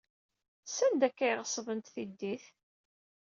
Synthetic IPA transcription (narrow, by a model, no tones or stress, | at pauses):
sænd̪ækːæjʁəsˤvənt̪θid̪ːiθ